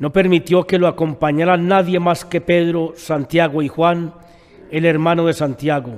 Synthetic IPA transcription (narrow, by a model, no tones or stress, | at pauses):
no̞pe̞ɾmit̪jo̞ke̞loako̞mpaɲaɾanaðje̞maske̞pe̞ðɾo̞sant̪jaɣoixwan | e̞le̞ɾmano̞ðe̞sant̪jaɣo